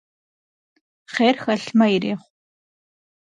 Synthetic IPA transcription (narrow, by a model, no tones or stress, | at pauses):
χeːrxɐɬmɐiɾḛːχʷ